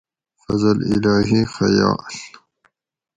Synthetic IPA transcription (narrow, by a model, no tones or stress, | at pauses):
fɐzɐlḭlaːɦixɐja̰ːl